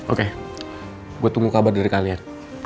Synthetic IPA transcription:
ʔoke | ɡuat̪uŋɡukabardaɾikalian

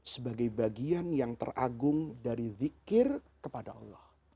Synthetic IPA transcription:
səbaɡajbaɡianjaŋt̪ə̰ra̰ɡʊŋdaɾiðikɪrkəpadaʔɑlːɔh

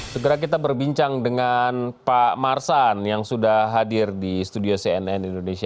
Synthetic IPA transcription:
səɡəɾak̬it̪abərbiɲt͡ʃaŋdəŋanpamarsanjaŋsudaɦadɪrdist̪udioseɛnɛnindonesia

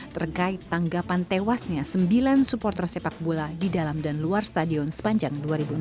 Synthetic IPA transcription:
t̪ərkaɪt̪ːaŋɡapant̪ewasɲasəmbilansupɔrt̪ɛrsepak̚buladidalamdanluarst̪adiɔnsə̥paɲd͡ʒaŋduaɾibu

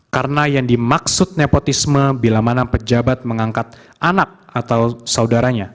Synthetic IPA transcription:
kaɾənajaŋdimaksʊt̪̚nepot̪isməbilamanapəd͡ʒabat̪̚məŋaŋkat̪̚ | ʔanak̚at̪awsaudaɾaɲa

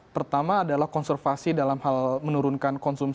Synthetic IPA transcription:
pərt̪amaːdalahkɔnsərfasidalamhalmənuɾunkankɔnsum

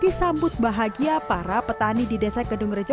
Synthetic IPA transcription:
ɡisambʊt̪̚baɦaɡiappaɾapət̪anididesakədʊŋrəd͡ʒɔ

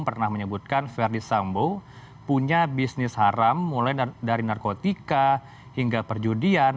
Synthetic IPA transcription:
ŋpərnahməɲəbut̪̚kanfɛrdisambo | puɲabisnɪshaɾamːulajdaɾinarkot̪ika | hiŋɡapərd͡ʒudian

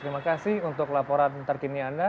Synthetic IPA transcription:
t̪ɾimakasɪhunt̪ʊklapoɾant̪ərkinianda

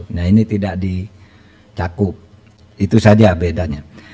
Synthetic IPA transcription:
nainit̪idaʔdi | t͡ʃakʊp̚ | it̪usad͡ʒabedaɲa

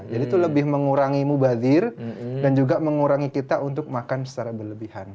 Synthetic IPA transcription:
d͡ʒadit̪uləbɪhməŋuɾaŋimubad̪ɪrdand͡ʒuɡaməŋuɾaŋikit̪aʔunt̪ʊk̚makansə̥t͡ʃaɾabərləbihan

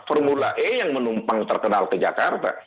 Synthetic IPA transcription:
fɔrmulaʔɛjaŋmənumpaŋt̪ərkənalkəd͡ʒakart̪a̰

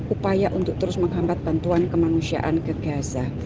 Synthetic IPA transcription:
upajaʔunt̪ʊk̚t̪əɾʊsməŋɦambat̪̚b̥ant̪uankəmanusia̰ʔankəɡ̥asa

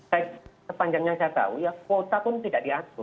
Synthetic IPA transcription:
sajasəpaɲd͡ʒaŋjaŋsajat̪a̰ujakot̪apʊnt̪idaʔdiat̪ʊr

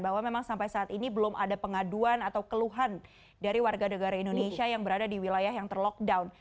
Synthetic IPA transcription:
nbaɦwamemaŋsampajsaːt̪inibəlʊma̰dapəŋaduanat̪awkəluɦan | daɾiwarɡanəɡaɾaindoneʃiajaŋbəɾadadiwilajahjaŋt̪ərlɔk̚dawn

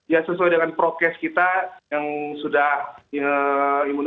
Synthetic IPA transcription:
jasəsuaijdəŋanpɾokɛskit̪ajaŋsudahəimun

